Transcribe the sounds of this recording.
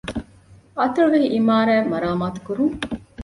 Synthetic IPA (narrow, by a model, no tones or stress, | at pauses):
ɐt̪ɐɾuʋeɦiʔimaːɾæːmɐɾaːmaːt̪u̥kuɾuŋ